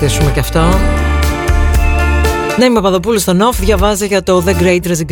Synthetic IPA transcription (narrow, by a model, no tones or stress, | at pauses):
isumecɐft̪o̞ | neimepɐðo̞p̬ulust̪onofðʝɐvɐzeʝɐt̪o̞ðeɡɾejt̪ɾɐziɡ